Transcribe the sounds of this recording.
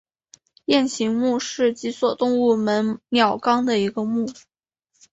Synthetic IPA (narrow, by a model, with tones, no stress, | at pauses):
jɛ˥˩nɕʰi˧˥ŋmu˥˧ʂɻ̩˥˩t͡ɕi˧˥swɔ˨˩t̪ʊ˥˧ŋu˥˩mə˧˥nnjɑ˨˩ʊkɑ˥ŋd̪ə˨i˧˥ɡə˧mu˥˩